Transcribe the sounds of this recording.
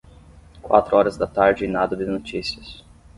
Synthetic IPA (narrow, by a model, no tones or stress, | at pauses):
kwa̰t̪ɾʊɔɾɐzd̪ɐt̪aɾd͡ʒɪinad̪ɐd̪ɪnot͡ʃisiɐs